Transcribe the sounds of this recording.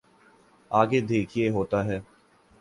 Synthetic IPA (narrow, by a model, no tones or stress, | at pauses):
aːɡed̪eːkʰieɦoːt̪aːɦɛː